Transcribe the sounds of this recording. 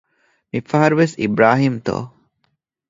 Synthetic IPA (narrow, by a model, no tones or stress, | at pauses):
mifɐɦɐɾuʋesḭbɾaːɦimt̪o̰ː